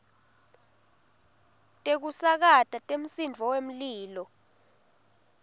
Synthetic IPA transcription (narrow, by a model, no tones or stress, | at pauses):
tʼek̬usak̬atʼatʼem̩sind͡vʱɔwem̩liːlɔ